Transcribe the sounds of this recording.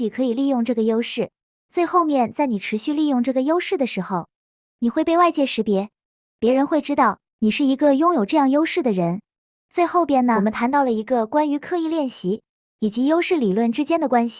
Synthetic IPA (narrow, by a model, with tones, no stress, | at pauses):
i˨˩kʰɤ˧˥i˨˩li˥˧jʊ˥˧ŋʈ͡ʂɤ˥˩ɡə˩jo˥ʊʂɻ̩˥˩ | t͡swe˥˧ɪxo˥˧ʊmjɛ˥˧nt͡sa˥˩ɪni˨˩ʈ͡ʂʰɻ̩˧˥ɕy˥˧li˥˧jʊ˥˧ŋʈ͡ʂɤ˥˩ɡə˩jo˥ʊʂɻ̩˥˩d̪ə˩ʂɻ̩˧˥xo˨˧ʊ | ni˨˩xwe˥˧ɪpe˥˧ɪwa˥˧ɪt͡ɕjɛ˥˩ʂɻ̩˧˥pjɛ˧˥ | pjɛ˧˥ɻə˧˥nxwe˥˩ɪʈ͡ʂɻ̩˥t̪ɑ˥˩ʊ | ni˨˩ʂɻ̩˥˩i˧˥ɡə˧jʊ˥ŋjo˨˩ʊʈ͡ʂɤ˥˧jɑ˥˩ŋjo˥ʊʂɻ̩˥˩d̪ə˩ɻə˧˥n | t͡swe˥˧ɪxo˥˩ʊpjɛ˥˩nnə˨˩mə˦nt̪ʰa˧˥nt̪ɑ˥˩ʊlə˩i˧˥ɡə˧kwa˥ny˧˥kʰɤ˥˧i˥˧ljɛ˥˩nɕi˧˥ | i˨˩t͡ɕi˧˥jo˥ʊʂɻ̩˥˩li˨˩lwə˥˩nʈ͡ʂɻ̩˥t͡ɕjɛ˥nd̪ə˨kwa˥nɕi̥˨